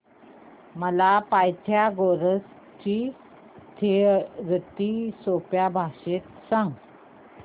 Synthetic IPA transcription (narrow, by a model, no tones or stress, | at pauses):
məlapajt̪ʰjaɡoɾəs | t͡ɕi | t̪ʰeɾət̪isopjabʱaɕet̪sãŋɡ